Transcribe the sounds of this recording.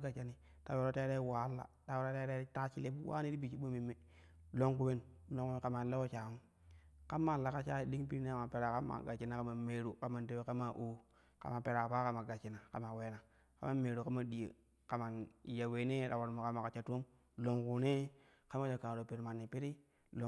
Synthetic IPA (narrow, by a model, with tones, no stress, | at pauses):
ɡa˨t͡ʃa˨ni˨ | ta˨we˨ɾo˦te˦ɾe˦wa˨˦lːa̰˨ta˨we˨ɾo˦te˦ɾe˦ta˦t͡ʃi˦le˦bu˦wa̰˦ni˦di˦bi˨t͡ʃi˦ɓo˦mi˨mːe˨ | lo˦ŋku˦be˦nlo˦ŋu˦e˨˦ka˨ma˨le˦wo˦t͡ʃa˨mu˦ | ka˦ma˦˨la˨ka˨t͡ʃa˦˨di˦ŋpi˦ɾne˦a˨ma˨pe˨ɾa˨ka˦ma̰˨ɡa˨t͡ʃi˦na˦ka˦ma˨me˨ɾu˨ka˦ma˨nte˦we˦ka˦ma˨ʔu˦ | ka̰˨ma˨pe˨ɾa˨pa˦ka˨ma˨ɡa˨t͡ʃi˨na˨ka̰˨ma˨we˨na˨ | ka̰˦ma˦me˨ɾu˨ka˦ma˦di˨jḛ˨ | ka˨ma˨n˨ja˨we˨ne˦ɾa˨wo˨ɾmo˨ka˦ma˨ka˨t͡ʃa˨˦to˦m | lo˨ŋku˨ne˦ | ka˦m˦a˦d͡ʒo˨ka˨ɾo˨pe˨ɾma˨nːi˨pi˦ɾi˦ | lo˦